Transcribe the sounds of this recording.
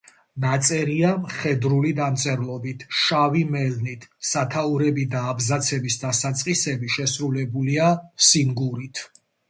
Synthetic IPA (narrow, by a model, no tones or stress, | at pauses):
nat̪sʼɛɾiamχɛd̪ɾulid̪amt̪sʼɛɾlˠɔbit̪ʰʃavimɛlnit̪ʰsat̪ʰauɾɛbid̪aːbzat̪sʰɛbisd̪asat̪sʼqʼisɛbiʃɛsɾulɛbuliasiŋɡuɾit̪ʰ